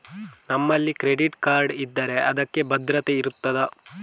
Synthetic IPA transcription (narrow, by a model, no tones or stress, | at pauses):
nɐmːɐlːikɾeɖiʈkaːɾɖid̪ːɐːɾe̞ʔɐd̪ɐkːe̞bɐd̪ɾɐt̪e̞iɾut̪ːɐd̪ɐ